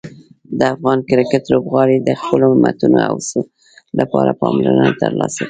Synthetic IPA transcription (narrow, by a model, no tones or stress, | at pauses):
d̪əafɣɑnkɪɾɪkɪt̪lobɣɑɽed̪əxpəloɪmat̪unoa̰wsə | lapɑɾapɑmlanət̪əɾlɑsaki